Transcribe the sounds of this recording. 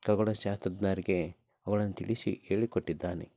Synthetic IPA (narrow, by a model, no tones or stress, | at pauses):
kɐɡɔɭɐʃaːst̪ɾɐd̪naːɾiɡe̞ | ɐɡɐɭɐnːɐt̪iɭisḭeːɭikoʈːid̪ːaːnḛ